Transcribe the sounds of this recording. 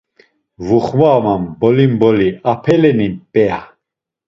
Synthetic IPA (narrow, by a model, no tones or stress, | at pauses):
vuχmaːmambɔlimbɔliapʰɛlɛninpʼɛa̰